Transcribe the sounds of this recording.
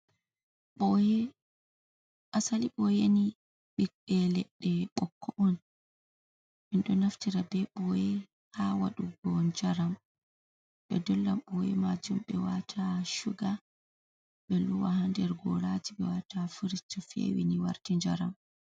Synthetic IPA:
ɓɔjɛ | ʔasaliɓɔjeni | ɓikɛlɛɗːɛɓɔkʰːɔʔɔn | ɓɛnɗɔnaftiɾabɛɓɔjɛ | hawa̰ɗuɡɔɲd͡ʒaɾam | ɓɛ̰dɔlːamɓɔjɛ̰mad͡ʒumɓɛwatʰaʃuɡa | ɓɛluwahandɛɾɡɔ̰ɾad͡ʒiɓɛwatafiɾit͡ʃːɔfḛwḭniwa̰ɾtiɲd͡ʒaɾam

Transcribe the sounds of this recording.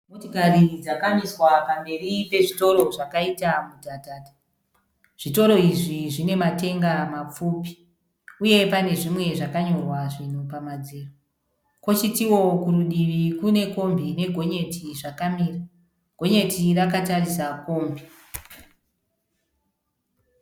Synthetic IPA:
motokarid͡zakamiswapambe̞ripe̞ʐito̞ɾo̞ʐakaitamudʱataːtḁ | ʐ̥ito̞ɾo̞iʐiʐine̞mate̞ŋɡamap͡fuːpi̥ | uje̞pane̞ʐimwe̞ʐakaɲo̞rwaʐinopamad͡zeːro | ko̞t͡ʃitiwo̞kuɾuɗiʋikune̞ko̞mbʱine̞ɡʱo̞ɲe̞tiʐakamiːra | ɡ̥ʱo̞ɲe̞tirakatarisakoːmbʱi

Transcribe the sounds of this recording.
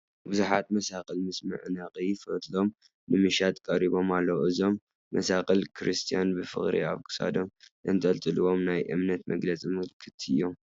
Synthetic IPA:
bɨzuħat̪mɐsaqʼɐlmɨsmɨ̰ʕnɐχʼifɐt̪ʼlo̞m | nɨmɨʃat̪ʼkʼɐɾiβo̞malːɐwʔɨzo̞mː | ɐsaqʼɐlkʰɾɨst̪ʰijanbɨfɨ̰xʼɾḭa̰βkʰɨ̥sa̰d̪omʔɨnt̪ʼɐlt̪ʼɨlɨwo̞mnajʔɨ̰mnɐt̪mɐɡlɐt͡sʼimɨlkʰɨ̥t̪ʰɨjːo̞m

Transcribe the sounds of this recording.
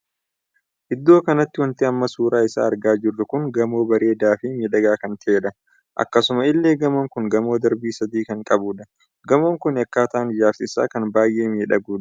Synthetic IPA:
ʔɪd̪ːo̞ːkɐnɐt̪ːɪwɐnt̪ɪɐmːɐsuːɾaːɪsa̰ːɐɾɡaːd͡ʒɪrːɐkʊŋɡɐmo̞ːbɐɾe̞ːd̪aːfɪmiːᶑɐɡaːkɐnt̪ʰɐeːᶑɐ | ʔɐ̰kːɐsʊmɐɪlːe̞ːɡɐmoŋkʊŋɡɐmo̞ːd̪ɐɾbiːsɐd̪iːkɐŋkʼɐbuːᶑɐ̥ | ɡɐmoːŋkʊnɪɐkːaːt̪ɐːnɪd͡ʒaːɾsɪsa̰ːkɐnbaːjʔe̞ːmiːᶑɐɡuːᶑ

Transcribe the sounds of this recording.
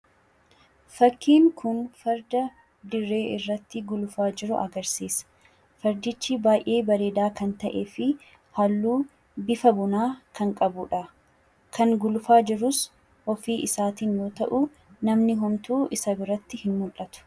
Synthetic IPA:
fɐkːiːŋkʰʊnfɐɾd̪ɐ | d̪ɪrːe̞ːʔɪrːɐt̪ːɪɡʊlʊfaːd͡ʒɪɾʊʔɐ̰ɡɐɾsiːsɐ̥ | fɐɾd̪ɪt͡ʃːɪbaːjʔe̞ːbɐɾeːd̪aːkɐnt̪ɐʔeːfɪ | hɐlːuː | bɪfɐbʊnaːkʰɐŋkʼɐbʊᶑɐ | kɐŋɡʊlʊfaːd͡ʒɪɾʊs | ʔɔfiːʔɪsaːt̪iːnjo̞ːt̪ɐʔʊ | nɐmnɪɦɔmt̪uːʔɪsɐbɪɾɐt̪ːɪhɪnmʊlʔːɐt̪ʊ̥

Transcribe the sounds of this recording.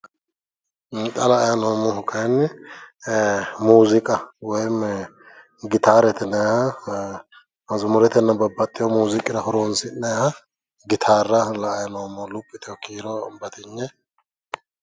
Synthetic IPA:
t̪ʼɐlɐːjɐnoːmɔhʊkʰɐjnː | muːzɪkʼɐwɔjm | ɡɪt̪aːɾɛt̪ɛnɐjhɐ | mɐzʊmʊɾɛt̪ɛnːɐbɐbːɐt̪ʼːɪjɔmuːzɪkʼɪɾɐhɔɾonsɪnɐhɐ | ɡɪt̪ʰaːrːɐlɐːjɐnoːmɔlʊpʼːɪt̪ʰɔkʰiːɾɔbɐt̪ɪɲːɛ

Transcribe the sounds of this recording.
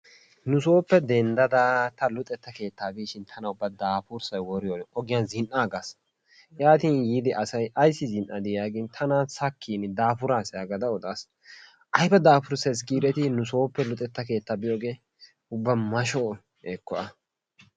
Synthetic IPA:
nʊs̬o̞ːpːɛd̪ɛnd̪ɐd̪at̪ɐlʊt̪ʼɛt̪ːɐke̞ːt̪ːaːbiːʃɪnt̪ʰɐnɐʊbːɐd̪aːfʊɾsɐjwɔɾɪjoːʔɔɡɪjɐnzɪnʔaːɡas | jaːt̪iːnjiːd̪ɪʔɐsɐjʔɐjsːɪzɪnʔɐd̪ɪjaːɡɪnt̪ʰɐnaːsɐkʰːiːnɪd̪aːfʊɾaːsɪaːɡɐd̪ɐɔt̪ʼaːs | ʔɐjbɐd̪aːfʊɾsɐjs̬ɡiːd̪ɛt̪ɪnʊso̞ːpːɛlʊt̪ʼɛt̪ːɐke̞ːt̪ːaːbɪjoːɡe̞ː | ʊbːɐmɐʃoː | eːkːɔɐ

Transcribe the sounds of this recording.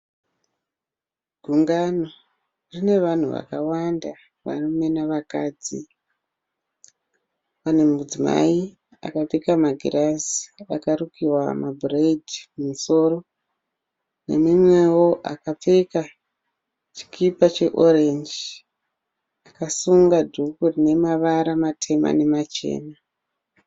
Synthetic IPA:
ɡʱuŋɡano | rine̞ʋan̤uʋa̰kawanda | ʋa̰nomenaʋakaːd͡zi | pane̞mud͡zima̰i | a̰kapekamaɡʱirazi̥akaɾukiwamabʱuredʱimumuso̞ro̞ | nḛmimwe̞wo̞ʔakap͡feka | t͡ʃi̥kipat͡ʃe̞ʔorend͡ʒ | akasuŋɡadʱukurine̞maʋaɾamatʰe̞ma̰ne̞mat͡ʃe̞̰ːna

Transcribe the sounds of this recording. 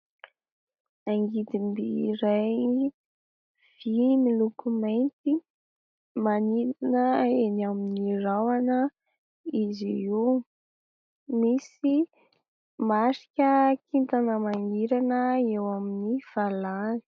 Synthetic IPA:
aŋɡid̪imbiɾaj | v̥imilukumajnt̪i | maniɾanəenaminirawanə | iziu | misi | masi̥kʲəkint̪anəmaŋiɾanəewaminiv̥alani̥

